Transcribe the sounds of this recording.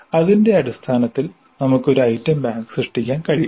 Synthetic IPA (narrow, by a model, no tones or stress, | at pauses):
ɐðinde̞ɐɽist̪ʰaːnɐt̪ːil | nɐmukːo̞ɾuɐjtːɐmbaːŋɡsrɨʂʈikʲːaːnkɐɻij